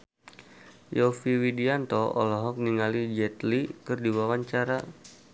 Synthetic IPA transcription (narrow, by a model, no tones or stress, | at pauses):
jɔfiwidiant̪ɔɔ̰lɔɦɔk̚niŋalid͡ʒɛt̪likɨrdiwawaɲt͡ʃaɾa